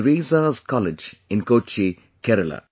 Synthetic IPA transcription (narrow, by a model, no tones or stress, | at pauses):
ɾiːzazkɔlɪd͡ʒɪ̃nkoːt͡ʃi | kɛɾəla̰